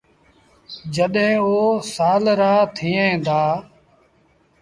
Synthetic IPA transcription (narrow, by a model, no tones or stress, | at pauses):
d͡ʒəɗɦẽːoːsaːlɾaːt̪ʰiːẽːd̪aː